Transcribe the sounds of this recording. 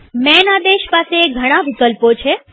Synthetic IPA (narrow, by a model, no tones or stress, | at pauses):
mɛnad̪eʃpaseːɡʱəɽ̃ãʋɪkəlpot͡ʃʰe